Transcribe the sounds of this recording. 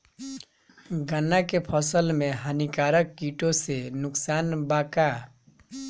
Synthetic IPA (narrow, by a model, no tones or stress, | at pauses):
ɡanːakepʰəsəlmeɦanikaɾəkːiʈosenʊksaːnbaka